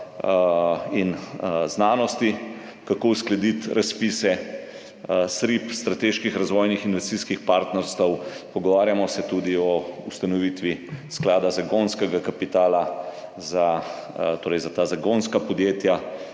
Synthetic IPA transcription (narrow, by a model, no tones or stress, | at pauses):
inznaːnɔst̪i | kakowsklɛd̪it̪ɾʔaspisɛ | sɾipst̪ɾat̪eːʃkixɾazʋɔːjnixinʋɛst̪iskixpaːɾt̪nɛɾst̪əwpɔɡɔʋaːɾjamɔsɛt̪ud̪iɔust̪anɔʋit̪ʋisklaːd̪azaɡonskɛɡakapit̪aːlaza | t̪oːɾɛjzat̪azaɡonskapɔd̪jeːt̪ja